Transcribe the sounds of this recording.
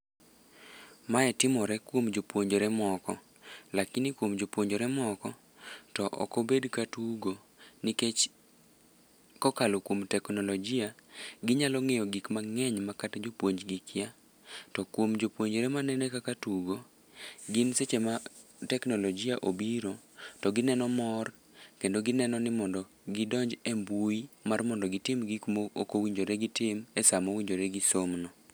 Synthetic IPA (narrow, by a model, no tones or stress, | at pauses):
maɛtɪmɔɾɛkwomd͡ʒopwoɲd͡ʒoɾɛmɔkɔ | lakɪnikwomd͡ʒopwoɲd͡ʒoɾɛmɔkɔ | tɔʔɔ̰kɔbedkatuɡo | niket͡ʃ | kɔkalokwomtɛknɔlɔd͡ʒiaɡɪɲalɔŋɛjɔɡikmaŋɛɲmakatd͡ʒopwoɲd͡ʒɡikɪja | tɔkwomd͡ʒopwoɲd͡ʒɾɛmanɛnɛkakatuɡo | ɡɪnset͡ʃema | tɛknɔlɔd͡ʒiaʔobiɾo | tɔɡɪnɛnɔmɔr | kendoɡɪnɛnɔnɪmɔndɔ | ɡɪdɔɲd͡ʒɛmbuimarmɔndɔɡɪtɪmɡikmookowiɲd͡ʒoɾeɡɪtɪmɛsamowiɲd͡ʒoɾeɡɪsomnɔ